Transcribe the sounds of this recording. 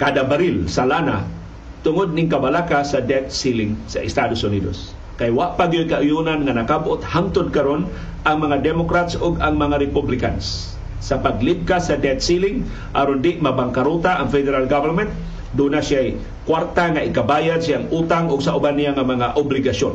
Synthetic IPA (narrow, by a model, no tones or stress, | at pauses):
kad̪abaɾɪlsalaːna̰ | t̪ʊŋod̪̚nɪŋkabalakasad̪ɛt̪̚silɪŋsa̰ʔɪst̪ad̪osʊniːd̪o̰s | kajwaʔpaɡɪjojkaʔʊjunanŋanakabʔot̪hamt̪ʊd̪̚kaɾon | ʔaŋmɐŋad̪ɛmokɾat̪soɡaŋmɐŋaɾɛpublɪka̰nsː | ɐpaɡlɪb̚kasad̪ɛt̪̚silɪŋ | ʔaɾond̪ɪʔmabaŋkaɾut̪aʔaŋfɛd̪ɛɾalɡavɛɾmɛnt̪̚ | d̪unasɪaj | kwaɾt̪aŋaʔɪkabaːjad̪sɪaŋʔuːt̪aŋʔʊɡsaʔʊbanɪjaŋamɐŋaʔʊblɪɡaʃon